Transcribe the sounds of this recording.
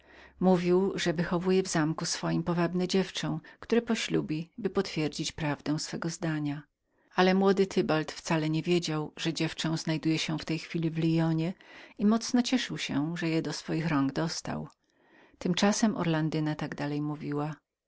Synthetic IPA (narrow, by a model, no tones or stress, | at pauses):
muvʲiwʐɛvɘxɔvujɛvzamkusfɔjimpɔvabnɛd͡ʑɛft͡ʂɛ̃w̃kt̪uɾɛpɔɕlubʲibɘpɔt̪fʲjɛɾd͡ʑit͡ɕpɾavd̪ɛ̃w̃sfɛɡɔzd̪aɲa | alɛmwɔd̪ɘt̪ʰɘbalt̪ft̪salɛɲɛvʲjed͡ʑawʐɛd͡ʑɛft͡ʂɛ̃w̃znajd̪ujɛɕɛft̪ɛjxfʲilʲivlʲijɔɲɛimɔt̪snɔt͡ɕɛʂɘwɕɛʐɛjɛd̪ɔsfɔjixɾɔŋɡd̪ɔst̪a̰w | t̪ɘmt͡ʂasɛmʔɔ̰ɾland̪ɘnat̪aɡd̪alɛjmuvʲiwa